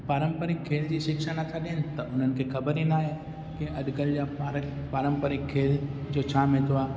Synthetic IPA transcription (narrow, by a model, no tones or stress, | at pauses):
paːɾə̃mpəɾɪkʰːeːld͡ʑiːʃɪkʃanɐt̪ʰaɗiənɪ̆t̪ɐʔʊn̤ənɪ̆kʰeːxɐbəɾĩnaːɦe | kẽʔɐɗɡəld͡ʑaː | paːɾə̃mpəɾɪkʰːeːld͡ʑoːt͡ɕʰaːmẽt̪ʰoaː